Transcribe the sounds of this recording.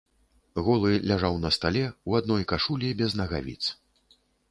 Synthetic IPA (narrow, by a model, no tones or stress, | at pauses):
ɣɔlˠɨlʲaʐawnɐst̪alʲɛuad̪nɔjkaʂulʲibʲɛznɐɣavʲḭt̪s